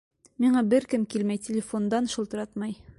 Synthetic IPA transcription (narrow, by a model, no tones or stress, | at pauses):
miɴɑbɘɾkɘmkilmæjtʲɪlʲɪfond̪ɑnʃɤ̆lˠt̪ɤ̆ɾɑt̪mɑj